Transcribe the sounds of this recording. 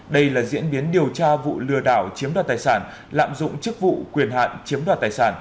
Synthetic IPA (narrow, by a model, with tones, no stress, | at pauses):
ɗə˧jlaː˨˩zḭ˧˥ənɓi˨˦ənɗi˨˩əwt͡ɕaː˧vṵ˧˨lɨ˧əɗaː˧˩wt͡ɕi˨˦əmɗwaː˨˩t̪aː˨˩jsaː˧˩n | la̰ː˧˨mzʊ̰˧˨ŋ͡mt͡ɕɨ˦˥k̚vṵ˧˨kwi˨˩ənɦa̰ː˧˨nt͡ɕi˨˦əmɗwaː˨˩t̪aː˨˩jsaː˧˩n